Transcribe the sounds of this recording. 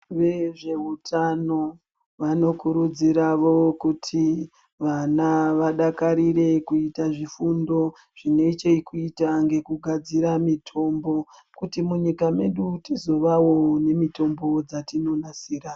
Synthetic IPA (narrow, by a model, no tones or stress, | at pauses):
ʋe̞ʐe̞utʰano̞ | ʋano̞kuɾud͡ziɾaʋo̞kutʰi | ʋanaʋaɗakaɾiɾe̞kuitaʐifundo̞ | ʐ̥ine̞t͡ʃeikuitaŋɡe̞kuɡʱad͡ziɾamitʰo̞mbo̞ | kutimuɲikame̞ɗutizo̞ʋawo̞ne̞mito̞mbo̞d͡zatino̞nasiːɾa